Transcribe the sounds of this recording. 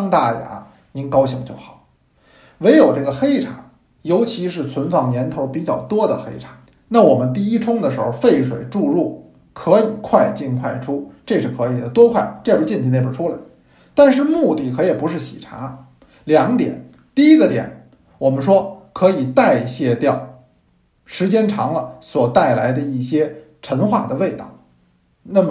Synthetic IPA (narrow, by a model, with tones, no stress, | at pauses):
ŋt̪a˥˩ja̰˧˥ | ni˧˥nkɑ˥ʊɕi˧˥ŋt͡ɕjo˥˩ʊxɑ̥˨˩˦ʊ | we˧˥ɪjo˨˩ʊʈ͡ʂɤ˥˩ɡə˩xe˥ɪʈ͡ʂʰa̰˨˩˦ | jo˧˥ʊt͡ɕʰi˧˥ʂɻ̩˥˩t͡sʰwə˧˥nfɑ˨˩ŋnjɛ˧˥nt̪ʰo˧˥ʊpi˨˩t͡ɕjɑ˥˩ʊt̪wɔ˥d̪ə˨xe˥ɪʈ͡ʂʰḁ˨˩˦ | na˥˩wɔ˨˩mə˦nt̪̬i˥˩i˥ʈ͡ʂʰʊ˥ŋd̪ə˨ʂɻ̩˧˥xo˧ʊfe˥˩ɪʂwe˨˩ɪʈ͡ʂu˥˧ɻu˥˩ | kʰɤ˧˥i˨˩kʰwa˥˧ɪt͡ɕi˥˧nkʰwa˥˩ɪʈ͡ʂʰu˥ʈ͡ʂe˥˧ʂɻ̩˥˩kʰɤ˧˥i˨˩d̪ə˦t̪wɔ˥kʰwa˥˩ɪʈ͡ʂe˥˧˥t͡ɕɛ˥˧nt͡ɕ̪ʰi˧n˥˩ə˨˩ʈ͡ʂʰu˥la˨˩ɪ | t̪a˥˧nʂ̬ɻ̩˥˧mu˥˧t̪i˥˩kʰɤ˧˥iɛ˨˩pu˧˥ʂɻ̩˥˩ɕḭ˨˩ʈ͡ʂʰa̰˧˥ | ljɑ˧˥ŋt̪jɛ̰˨˩˦n | t̪i˥˧i˥ɡə˧t̪jɛ̰˨˩˦n | wɔ˨˩mə˦nʂwɔ˥kʰɤ˧˥i˨˩t̪a˥˧ɪɕjɛ˥˧t̪jɑ˥˩ʊ | ʂɻ̩˧˥t͡ɕjɛ˥nʈ͡ʂʰɑ˧˥ŋlə˧swɔ˨˩t̪a˥˩ɪla˧˥ɪd̪ə˧i˥˩ɕjɛ˥ | ʈ͡ʂʰə˧˥nxwa˥˩d̪ə˩we˥˧ɪt̪ɑ̰˥˩ʊ | na˥˩mə˩